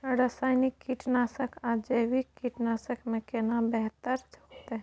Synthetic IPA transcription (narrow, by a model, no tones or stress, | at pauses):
ɾasaːɪnikːiʈnaːsəkʰad͡ʒəwikːiʈnaːsəkmẽkenabɛɦt̪əɾt͡ʃʰokt̪eɦ